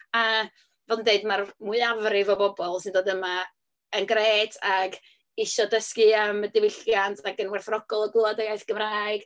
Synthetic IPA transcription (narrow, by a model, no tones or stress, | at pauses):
a | vɛlˠdəndeɨdmarmuɨavrɪvɔbɔbɔlˠsɨndoːdəma | ənɡreːtʰaɡ | ɪʃɔdəskɨamədɪwɪɬjantʰaɡənwɛrθrɔɡɔlˠɔɡwɪlˠadəɡajθɡ̥əmraːɨɡ̥